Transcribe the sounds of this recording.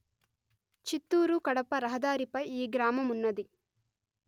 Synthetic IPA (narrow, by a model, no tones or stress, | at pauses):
t͡ʃit̪ːuːɾukɐɽɐpɐɾɐɦɐd̪aːɾipɐjiːɡɾaːmɐmunːɐd̪i